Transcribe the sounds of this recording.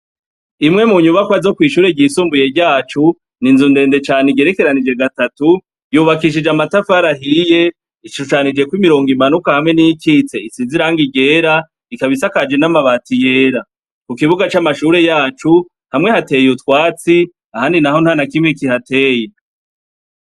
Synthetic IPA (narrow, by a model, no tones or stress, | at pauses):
imŋe̞muɲuβakwazo̞kwiːʃuːɾe̞ɟiːsuːmbuje̞ɾɟaːt͡ʃu | ninzunde̞ːnde̞t͡ʃaːneɡe̞ɾe̞ke̞ɾanid͡ʒe̞ɡatatu | juːβakiʃ̬id͡ʒamatafaɾaɦije̞ | iʃuʃanid͡ʒe̞kwimiɾo̞ːŋɡimanukahamŋe̞nijikit͡se̞isiːnziɾaŋɡiɟe̞ːɾa | ikaβisakad͡ʒe̞namaβaːtije̞ːɾa | kukiβuɡat͡ʃamaʃuːɾe̞jaːt͡ʃu | hamŋe̞hate̞jutwaːt͡si | ahaːndinaho̞n̥hanakimŋekihate̞ːje